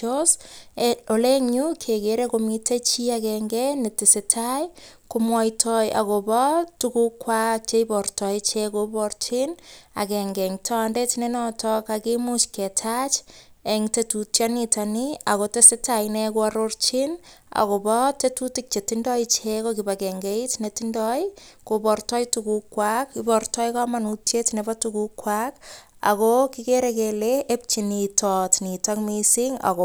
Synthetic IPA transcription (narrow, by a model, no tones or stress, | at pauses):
os | oleŋɲukʰekeɾekomitet͡ʃiakɛŋɡɛnetɪsetʰajkomwɔjtʰɔja̰kobɔtukukwat͡ʃeibɔrtɔit͡ʃekobɔrt͡ʃina̰kɛŋɡɛŋtʰɔandetinenɔtɔkakimut͡ʃketʰat͡ʃeŋtetutjanitaniakotesetajnekoaɾort͡ʃina̰kobɔtetutik̚t͡ʃetindɔjt͡ʃekokibakeŋɡeitnetindɔjkopɔrtɔjtukukːwakibɔrtɔjkamanutjetinebatukukwak | a̰kokikeɾekeleʔep̚t͡ʃinitɔtnitɔkmisiŋa̰ko